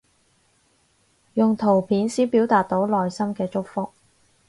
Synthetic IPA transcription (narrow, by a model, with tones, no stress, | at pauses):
jʊ˨ŋt̪ʰo˨˩wpʰiː˨˥nsiː˨˥piː˨˥wt̪aː˨t̪̚t̪o˨˥wlɔː˨jsɐ˥mkɛː˧t͡ʃʊ˥k̚fʊ˥k̚